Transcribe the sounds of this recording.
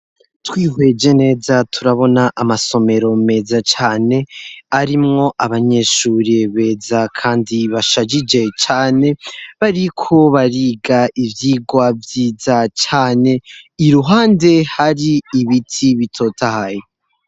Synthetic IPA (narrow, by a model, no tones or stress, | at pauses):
twiːɦwe̞d͡ʒe̞ne̞ːzatʰuɾaβo̞naʔamaso̞me̞ɾo̞me̞ːzat͡ʃaːne̞aɾimŋo̞ʔaβaɲe̞ʃuːɾeβe̞ːzakʰaːndiβaʃad͡ʒid͡ʒe̞t͡ʃaːne̞βaɾikʰo̞βaɾiːɡaʔivjiːɡwavjiːzat͡ʃaːne̞iɾuɦaːnde̞haɾiːβitʰiβitʰo̞ːtʰahaje